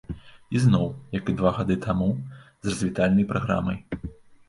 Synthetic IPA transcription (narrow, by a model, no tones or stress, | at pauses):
iznɔwjɐkɨd̪vaɣad̪ɨt̪ʰamuzrɐzʲvʲit̪alʲnɐjpɾʔaɣɾa̰mɐj